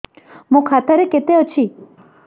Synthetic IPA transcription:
mũkʰat̪aɾeket̪eot͡ʃʰi

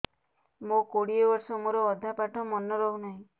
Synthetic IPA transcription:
mokoɽiebɔɾsɔmoɾɔːd̪ʱapaʈʰɔmɔnːɔɾɔɦunaɦĩ

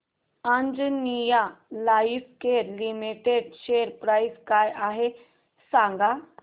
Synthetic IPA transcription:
ãnd͡zənijalaifkeɾlimiʈeɖɕeɾpɾajskajaɦe | sãŋɡa

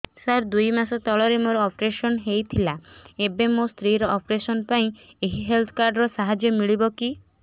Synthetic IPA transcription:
saɾd̪ujmasɔt̪ɔɭɔɾemoɾɔɔpɾesɔnɦejt̪ʰilaebemost̪ʰɾiɾɔʔɔpɾesɔnpaĩ | eɦiɦelt̪ʰɔ̥kaɾɖɾɔsaɦad͡ʒjɔmiɭibɔki

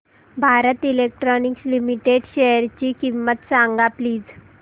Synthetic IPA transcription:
bʱaɾət̪ilek̚ʈɾɔnikslimiʈeɖɕejəɾt͡ɕiːkimːət̪sãŋɡapliːd͡z

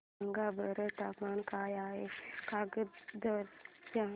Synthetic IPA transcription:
əŋɡabəɾət̪apmankajaɦekaɡəd̪əɾt̪a

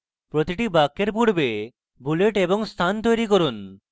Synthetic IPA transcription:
pɾot̪iʈibakːeɾpuɽbe | buleʈeboŋst̪ʰant̪ojɾikoɾun

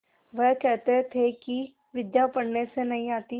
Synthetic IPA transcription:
ʋɛːkɛːt̪eːt̪ʰeːki | ʋɪd̪jaːpəɽneːsenəĩːaːt̪iː

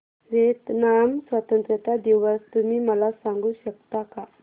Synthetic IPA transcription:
ɾet̪namswat̪ənt̪ɾət̪ad̪ewast̪umiməlasaŋɡuɕək̚t̪aka

